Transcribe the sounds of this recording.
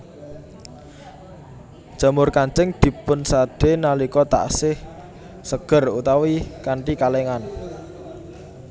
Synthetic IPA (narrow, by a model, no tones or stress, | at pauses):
d̥ʒ̥a̤mʊrkaɲt͡ʃɪŋd̪̥i̤pʊnsaɖ̥enalikɔt̪a̰ʔsɪh | səɡ̥ə̤rut̪awikaɳʈikaleŋan